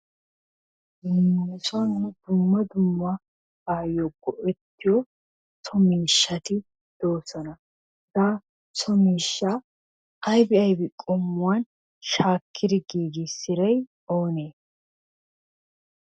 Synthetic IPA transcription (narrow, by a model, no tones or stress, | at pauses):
ɡɪnɛsʊɐnnɛd̪ʊmːɐd̪ʊmːa | ɡaːjoːkːɔʔɛt̪ːɪjɔ | sɔmiːʃːɐt̪ɪ | d̪̥o̞ːsɐnɐ | zaː | sɔmiːʃːa | ɐjbɪɐjbɪkʼɔmːʊwan | ʃaːkʰːɪd̪ɪɡiːɡɪsɪɾɐj | o̞ːneː